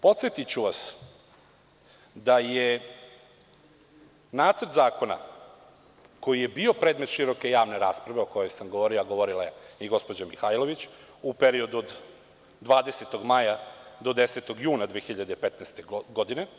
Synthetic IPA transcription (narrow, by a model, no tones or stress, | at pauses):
po̞t̪sjet̪it͡ɕuʋas | d̪aje | naːt̪srt̪zaːko̞na̰ | ko̞jije̞bio̞pɾed̪me̞t̪ʃiɾo̞ke̞jaːʋne̞ɾaːspɾaʋe̞oko̞jo̞jsamɡoʋoːɾilaɡoʋo̞ɾilajeiɡo̞spo̞d͡ʑamixajlˠo̞ʋit͡ɕ | upeɾio̞d̪uod̪ː | ʋaːd̪e̞set̪o̞ɡmajad̪o̞d̪e̞set̪o̞ɡjuːnad̪ʋeːxiʎad̪eipet̪nɛst̪eɡod̪ine̞